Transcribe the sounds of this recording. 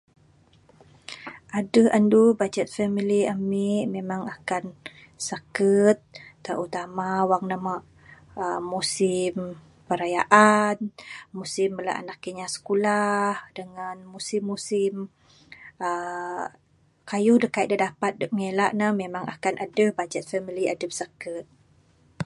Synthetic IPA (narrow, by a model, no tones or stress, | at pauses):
ʔadəʔəndubad͡ʒɛt̪̚fɛmiliamimemaŋakan | sakət̪̚ːəʔut̪amawaŋnamaʔ | əmusɪm | pəɾajaʔanmusɪməla̰ʔa̰nakkəɲasə̥kulahdəŋanmusɪmːusɪm | ə | kajudəhkaiʔ̪̚dədapat̪̚dɔʔ̚melaʔnahmemaŋʔa̰kanʔadəbad͡ʒɛt̪̚fɛmilia̰dəp̚sakət̪̚